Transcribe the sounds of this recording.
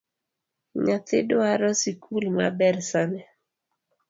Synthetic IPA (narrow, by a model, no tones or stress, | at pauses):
ɲat̪ḛdoaɾɔsikʰulma̰bɛrsanɛ